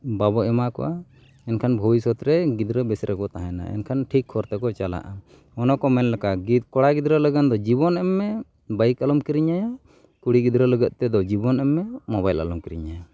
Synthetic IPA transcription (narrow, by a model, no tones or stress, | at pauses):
babɔɛmakɔ̰ʔa | ɛnkʰanbʱuwisɔt̪ɾɛɡid̪ɾəbɛsɾʔɛkɔt̪aɦɛna̰ʔɛ̰nkʰanʈʰikʰːɔɾt̪ɛkɔt͡ʃala̰ʔa | ɔnɔkɔmɛnlɛkaɡikɔɽaɡid̪ɾələɡənd̪ɔd͡ʒibɔnɛmːɛ | baikalɔmkiɾiɲaja | kuɽiɡid̪ɾələɡət̪̚ˀt̪ɛd̪ɔd͡ʒibɔnɛmːɛmɔbajla̰lumkiɾiɲaja